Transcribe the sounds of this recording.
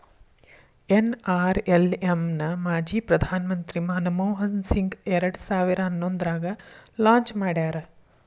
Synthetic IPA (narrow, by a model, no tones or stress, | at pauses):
enaːɾelemnɐmaːd͡ʒiːpɾɐd̪ʱaːnɐmɐnt̪ɾimaːnɐmɐwɦɐnsiŋɡɛɾɐɽɐsaːʋiɾɐɦɐnːond̪ɐɾaːɡɐlãːɲt͡ʃmaːɽaːɾe